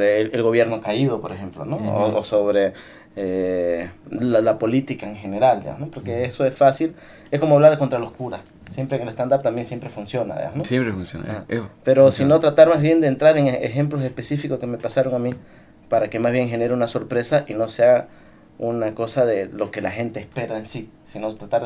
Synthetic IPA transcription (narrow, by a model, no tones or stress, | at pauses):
oɾeelɣo̞βje̞ɾno̞kaiðo̞po̞ɾexe̞mplo̰noosoβɾe | e | alapo̞lit̪ikaeŋxe̞ne̞ɾald̪ḭa̰nopoɾkeesoesfasil | e̞sko̞moaβlaɾðeko̞nt̪ɾalo̞skuɾas | sje̞mpɾeŋelest̪and̪apt̪ambje̞nsje̞mpɾe̞funsjo̞na̰ðḭamnosepɾefunsjo̰napeɾo̞sino̞t̪ɾat̪aɾmazβje̞nd̪eːnt̪ɾaɾeŋḛxe̞mplos̬e̞spe̞sifikoske̞me̞pasaɾo̞ŋami | paɾake̞mazβje̞ŋxe̞ne̞ɾeunaso̞ɾpɾe̞saʔino̞seaa | unako̞saðe̞lo̞ke̞laxe̞nt̪e̞ːspe̞ɾaensi | sinot̪ɾat̪aɾ